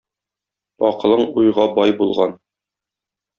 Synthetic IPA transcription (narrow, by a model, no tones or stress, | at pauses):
ɒqɤ̆lˠɤɴujʁɑbɒjbulˠʁɑn